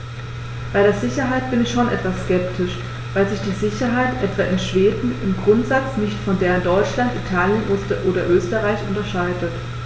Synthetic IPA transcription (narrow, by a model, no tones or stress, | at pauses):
b̥aɪɾeːɐzɪçɐɦaɪt̚b̥ɪnɪçʃoːnʔɛ̰tv̥asskɛp̚tʰɪʃ | vaɪlzɪçd̥iːzɪçɐɦaɪtʔɛtv̥aːʔɪnʃv̥eːdn̩ɪmɡʁʊntz̥at͡snɪçtfɔndeːʁəndɔʏt͡ʃlantitʰaːljənʔoːstəʔoːɾɐʔøːstəʁaɪçʔʊntɐʃaɪdət